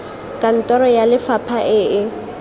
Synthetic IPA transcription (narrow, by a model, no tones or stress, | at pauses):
kʼan̩tʼɔɾɔjalɪfapʰaʔɪːʔɪ